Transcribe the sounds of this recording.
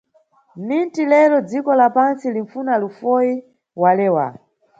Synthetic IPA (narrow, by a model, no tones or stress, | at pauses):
nintilɛlɔd͡zikɔlapansiliɱfunalufɔji | walɛːwa̰